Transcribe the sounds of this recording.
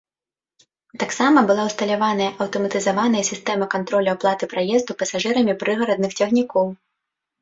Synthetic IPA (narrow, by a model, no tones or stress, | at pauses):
t̪aksamɐbɨlˠawst̪ɐlʲavanɐjɐʔɐwt̪ɐmɐt̪ɨzavan̪ɐjɐsʲist̪ɛmɐkant̪ɾɔlʲɐwplˠat̪ɨpɾajɛzd̪upɐsaʐɨɾɐmʲipɾɨɣɐɾɐd̪̚nɨxt͡sʲɐɣnʲikɔw